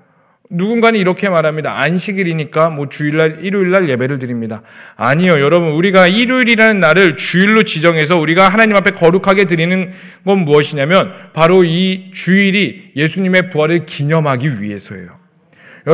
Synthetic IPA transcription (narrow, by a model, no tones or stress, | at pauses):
nuɡunɡanɯniɾʌkʰe̞maɾɦamɲidaanɕʰiɡiɾiɲik͈amwʌt͡ɕuiɭːaɾiɾuiɭːaɭje̞be̞ɾɯɭt̬ɯɾimɲidaːɲijojʌɾʌbunuɾiɡaiɾuiɾiɾanɯnːaɾɯɭt͡ɕuiɭːot͡ɕid͡ʑʌŋɦes̬ʰʌuɾiɡaɦanaɲimapʰe̞kʌɾukʰaɡe̞t̬ɯɾinɯn | ɡʌnmuʌɕʰiɲamjʌnpaɾoit͡ɕuiɾije̞sʰuɲime̞puɦaɾɯɭkiɲʌmɦaɡiɥḭɦe̞sʰʌḛjo | jʌ